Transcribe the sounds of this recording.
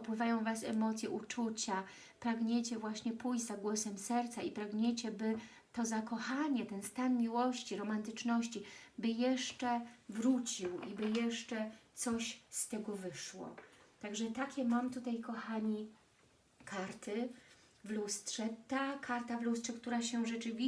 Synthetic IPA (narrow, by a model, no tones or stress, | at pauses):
ɔpwɘvajɔ̃w̃vasɛmɔt̪sjɛʔut͡ʂut͡ɕa | pɾaɡɲɛt͡ɕɛvwaɕɲɛpujd͡ʑzaɡwɔsɛmsɛɾt̪saipɾaɡɲet͡ɕɛbɘ | t̪ɔzakɔxaɲɛt̪ɛnst̪anmʲiwɔɕt͡ɕiɾɔmant̪ɘt͡ʂnɔɕt͡ɕibɘjɛʂt͡ʂɛvɾut͡ɕiwibɘjɛʂt͡ʂɛt̪sɔɕst̪ɛɡɔvɘʂwɔ̰t̪aɡʐɛt̪akʲɛmamt̪ut̪ajkɔxaɲi | kʰaɾt̪ɘ | vlust̪ʂɛt̪akaɾt̪avlust̪ʂɛkt̪uɾaɕɛʐɛt͡ʂɘvʲi